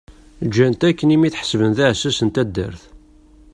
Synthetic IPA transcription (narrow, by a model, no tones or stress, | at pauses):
d͡ʒːænt̪ækːənimiθħə̥svənθæʕsæsənt̪æd̪ːə̰ɾθ